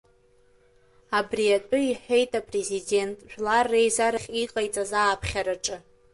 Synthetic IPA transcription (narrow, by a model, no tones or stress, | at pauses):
abriat͡pʼʊiħe̞jtʼapʼre̞zide̞ntʼʒᶣlarːejzaɾaχʲiqʼajt͡sʼazaːpʰχʲaɾaʈ͡ʂʼɨ